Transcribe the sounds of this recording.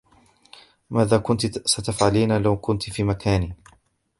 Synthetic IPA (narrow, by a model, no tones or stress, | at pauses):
maːðaːkʊnt̪sat̪afʕaliːnalawkʊnt̪fiːmakaːniː